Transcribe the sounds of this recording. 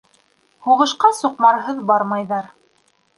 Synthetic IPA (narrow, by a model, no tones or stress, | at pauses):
huʁɤ̆ʃqɑsuqmɑɾɦɤðbɑɾmɑjðɑɾ